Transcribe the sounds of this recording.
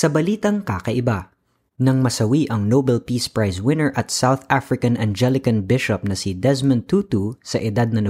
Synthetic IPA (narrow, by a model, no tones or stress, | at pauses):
sɐbɐliːt̪ɐŋkaːkɐʔɪba | nɐŋmɐsɐwiʔɐŋnobɛlpiːspɹajswɪ̃nɛɹʔɐt̪̚sawθafɹɪkɐnʔɐnd͡ʒɛlɪkɐnbɪʃɔp̚nɐsid̪ɛsmɐnt̪uːt̪usɐʔɪd̪ad̪̚nɐnɐ